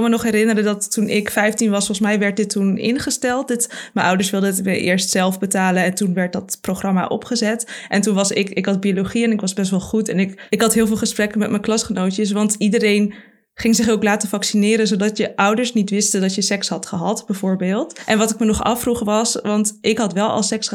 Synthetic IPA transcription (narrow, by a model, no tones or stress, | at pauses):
lˠmənɔχɦɛɾɪnəɾədɑtːunʔɪkfɛjftinʋɑsfɔlχəsmɛjʋɛɹt̚dɪtːunɪ̰nχəstɛlˠt̚dɪtməʔʌwdəɹsʋɪlˠdəətməʔɪ̰ːɹstsɛlˠfbətaːlənɛntunʋɛɹt̚dɑtproχrɑma̰ʔɔ̰pχəzɛtʔɛntunʋɑsɪkɪkɦɑd̚biolowχiɛnɪkʋɑzbɛstʋɛlˠχutɛnɪkɪkɦɑtɦɪːlˠvɪːlˠχəsprɛkənmɛtmənklɑsχənowtəs̬ʋɑntidəɾejn | χɪŋzɪχowklaːtəfɑksinɪːɾənzowdɑtjəʔʌwdəɹsnitʋɪstədɑtjəsɛksɦɑtχəɦɑtbəvʊːɹbɪːlˠtʔɛnʋɑtɪkmənɔχɑ̰fruχʋɑsʋɑntʔɪkɦɑtʋɛlˠɑ̰lˠsɛks